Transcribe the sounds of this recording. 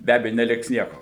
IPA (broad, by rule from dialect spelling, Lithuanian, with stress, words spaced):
bʲɛ ˈɑːbʲɛjʊ nʲɛˈlʲɪks ˈnʲiɛkoː